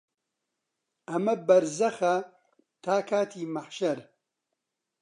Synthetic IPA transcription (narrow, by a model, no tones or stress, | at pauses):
ɐmɐbɐɾzɐxɐ | t̪ʰaːkʰaːt̪ʰiːmɐħʃɐɾ